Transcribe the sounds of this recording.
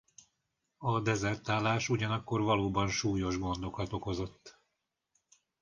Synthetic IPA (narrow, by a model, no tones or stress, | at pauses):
ɒd̪ɛzɛrt̪aːlːaːʃuɟɒnɒkːo̞rvɒloːbɒnʃuːjo̞ʒɡo̞nd̪o̞kɒt̪o̞ko̞zo̞t̪ː